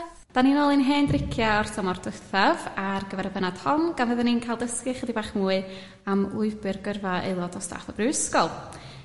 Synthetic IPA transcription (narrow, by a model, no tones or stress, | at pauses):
d̥aninoːlˠɨnɦeːndrɪkʰjaɔrθʰɔmɔrd̥əθavarɡəvɛɾəbɛnad̥hɔmɡ̥anvəðəninkʰajlˠdəskɨχədibaːχmuːɨ | amlˠʊɨbɨrɡərvaḛlˠɔdɔsta̰ːθɔbrɪwɪskɔlˠ